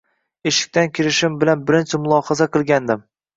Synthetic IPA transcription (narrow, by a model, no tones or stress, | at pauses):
eʃɪ̥k̚ʲt̪ankʲʰɪɾɪʃɪmbɪlanbɪɾɪnt͡ʃʰɪmʊlˠɒhɑzaqʰɨlˠɡʲand̪ɪm